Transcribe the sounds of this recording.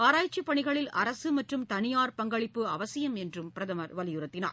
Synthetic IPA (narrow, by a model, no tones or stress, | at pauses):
aːɾaːjt͡ʃːipːɐɳɪɣɐɭɪlɐ̰ɾɐsɯmɐʈrɯmt̪ɐnɪjaːɾpɐŋɡɐɭɪpːɯɐʋɐsɪjɐmɛndrɯmpɪɾɐðɐmɐɾʋɐlɪjɯɾɐt̪ːɪna̰ːɾ